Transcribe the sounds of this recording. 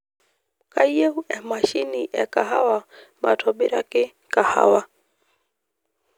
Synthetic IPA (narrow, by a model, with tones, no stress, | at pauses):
kaijɛ˦hu˦ʔɛ˨maʃi˦niʔɛ̰˨ka˨ɦa˦wama̰˨tʰɔɓi˦ɾa˦ki˦ | ka˨ha̰˦wa